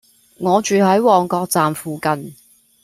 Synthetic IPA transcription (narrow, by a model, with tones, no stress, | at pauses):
ŋɔː˨˧t͡ʃyː˨hɐ˨˥jwɔː˨ŋkɔː˧k̚t͡saː˨mfuː˨˧kɐ˨˧n